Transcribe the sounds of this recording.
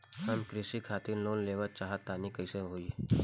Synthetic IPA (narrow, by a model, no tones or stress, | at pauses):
hɐmkɾɪsikʰaːt̪ɪɾloːnleːʋət͡ʃaːɦət̪ːaːnikɐɪseɦoːi